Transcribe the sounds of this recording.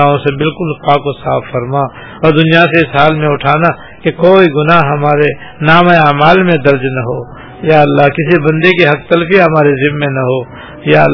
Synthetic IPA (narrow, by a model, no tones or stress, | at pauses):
aõsebɪlkʊlpaːkosa̰ːfːɐɾmaː | ɔːɾd̪ʊnijaseɪsɦaːlmẽʊʈʰaːna | kekoːiɡʊnaɦɦɐmaːɾe | naːmẽaːmaːlmẽd̪ɐɾd͡ʒnɐɦoː | jaːɐlːaːɦkɪsibɐ̃nd̪ekiɦɐk̚t̪ɐlfiɦɐmaːɾezɪbmːẽnɐɦoː | jaː